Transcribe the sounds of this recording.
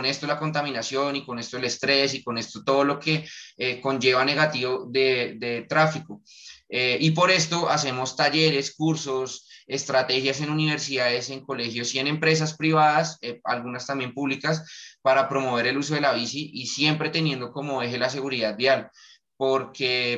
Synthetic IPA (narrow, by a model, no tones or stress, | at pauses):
one̞st̪olako̞nt̪amĩnasjo̞niko̞ne̞st̪o̞ele̞st̪ɾe̞siko̞ne̞st̪ot̪o̞ð̞o̞lo̞ke̞eko̞nd͡ʒe̞βane̞ɣat̪iβo̞ðe̞ðet̪ɾafiko | eipo̞ɾe̞st̪o̞ʔase̞mo̞st̪aʝe̞ɾe̞skuɾso̞se̞st̪ɾat̪e̞xjase̞nuniβe̞ɾsiðaðe̞se̞ŋko̞le̞xjo̞sie̞nẽ̞mpɾe̞s̬aspɾiβaðasea̰lɣunast̪ambje̞mpuβlikaspaɾapɾo̞mo̞βe̞ɾe̞lus̬o̞ð̞e̞laβisiʔisje̞mpɾe̞t̪e̞njẽ̞nd̪o̞ko̞mo̞e̞ɦelas̬e̞ɣuɾiðaðd̪jal | po̞ɾke̞